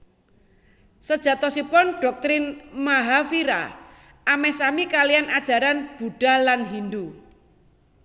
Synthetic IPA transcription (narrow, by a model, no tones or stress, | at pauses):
səd̥ʒ̥ä̤t̪ɔsipɔnɖ̥ɔk̚t̪ɾɪnmaɦafiɾa̰ | ʔamɛsamikalijanad̥ʒ̥a̤ɾanb̥ṳɖ̥a̤lanɦind̪u